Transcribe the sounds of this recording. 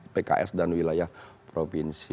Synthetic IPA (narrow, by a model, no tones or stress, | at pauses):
peka̰ʔɛ̰sdanwilajahpɾopinsi